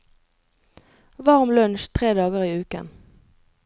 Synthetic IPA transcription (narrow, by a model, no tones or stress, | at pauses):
ʋɑʁmlœnʃt̪ʰʁeːd̪ɑːɡəʁiːʉːkə̰n